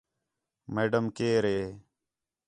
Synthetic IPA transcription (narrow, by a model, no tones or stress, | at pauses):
meːɖəmkeːɾeː